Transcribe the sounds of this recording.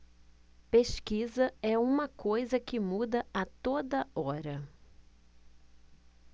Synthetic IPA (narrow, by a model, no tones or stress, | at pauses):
peʃkizɐɛũmɐkojzɐkɪmud̪ɐat̪od̪ɐɔɾɐ